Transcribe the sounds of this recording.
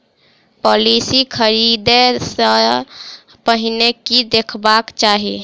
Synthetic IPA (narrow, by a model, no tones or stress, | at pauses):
pɔlisikʰəɾid̪esə | pəɦinekid̪ekʰbakt͡ʃaɦi